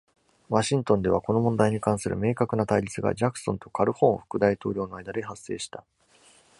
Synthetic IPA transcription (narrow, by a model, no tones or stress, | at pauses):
βaɕĩnt̪õnd̪e̞βako̞no̞mõ̞nd̪aiɲ̟ikãɰ̃sɨɾɯ̟̰me̞ːkakɯ̟nat̪aiɾʲit͡sɨɡa̰d͡ʑakɯ̥sõ̞nt̪o̞kʰaɾɯ̟hõ̞ːɰ̃ɸɯ̥kɯ̟d̪ait̪o̞ːɾʲo̞ːno̞ajd̪ad̪e̞ɦasːe̞̰ːɕi̥t̪a